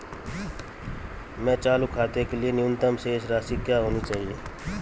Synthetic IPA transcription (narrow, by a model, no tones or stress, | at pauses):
mɛ̃ːt͡ʃaːlukʰaːt̪ekelɪienɪjʊnt̪əmseːʃɾaːsikjaːɦoːnit͡ʃaːɦieː